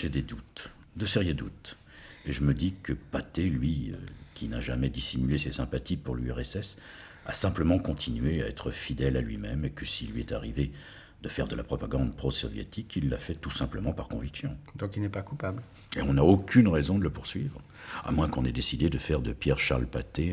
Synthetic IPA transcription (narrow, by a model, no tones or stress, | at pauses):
fɛd̪ed̪ut̪ | d̪əsɛʁjəd̪ut̪ | eʒəməd̪ikəpat̪elɥikʲina̰ʒamɛd̪isimylesesɛ̃pat̪ipuʁlyɛʁɛsɛs | a̰sɛ̃pləmɑ̃kɔ̃t̪ʰinɥeaɛ̰t̪χəfid̪ɛlalɥimɛmekəsilːɥiɛt̪a̰ʁive | d̪̥əfɛʁd̪əlapχɔpaɡɑ̃d̪pχosɔ̰vjḛt̪ʰikʰilːa̰fɛt̪usɛ̃pləmɑ̃paʁkɔ̃viksjɔ̃d̪ɔ̃kilnɛpakupabl | eɔ̃naokʰʲynʁɛzɔ̃d̪ələpuʁsɥivʁ | a̰mwɛ̃kɔ̃nɛd̪esid̪ed̪əfɛʁd̪əpjɛʁʃa̰ʁlpat̪e